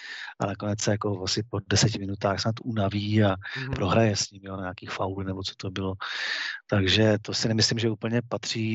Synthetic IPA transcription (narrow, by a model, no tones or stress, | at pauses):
ʔa̰nako̞nɛt͡ssɛjako̞vasɪpo̞dɛsɛcɪmɪnut̪aːxsnat̪ʔunaviːapɾo̞ɦɾajɛsɲɪmjonaɲaːkiːxfawlnɛbot͡sot̪o̞bɪlot̪aɡʒɛt̪o̞sɪnɛmɪslɪmʒɛuːpl̩ɲɛpat̪r̝̥iː